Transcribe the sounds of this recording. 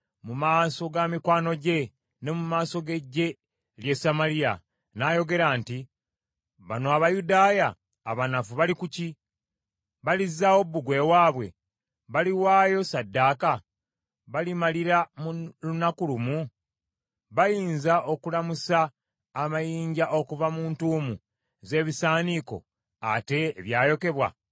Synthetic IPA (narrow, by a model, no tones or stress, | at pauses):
mumaːso̞ɡamikwaːno̞ɟe̞ | ne̞mumaːso̞ɡe̞ɟːe̞ | lje̞samalija̰ | naːjo̞ɡe̞ɾaːnti | βa̰noaβajudaːjaː | βanafuβalikuci | βalizːawo̞buɡwe̞waːβwe̞̰ | βaliwaːjo̞sadːaːka | βalimaliɾamulunakulumu | βajiːnzaʔo̞kulamusaː | majiːɲɟaʔo̞kuvamuːntuːmu | ze̞ːβisaːniko̞̰ | a̰te̞ːβjaːjo̞ke̞βwa̰